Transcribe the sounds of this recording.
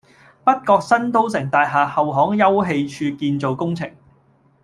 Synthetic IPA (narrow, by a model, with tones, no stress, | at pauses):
pɐ˥t̚kɔː˧k̚sɐ˥nt̪o˥wsɪ˨˩ŋt̪aː˨jɦaː˨˩hɐ˨wɦɔː˨˥ŋjɐ˥wɦe˧jt͡ʃʰyː˧kiː˧nt͡so˨wkʊ˥ŋt͡sʰɪ˨˩ŋ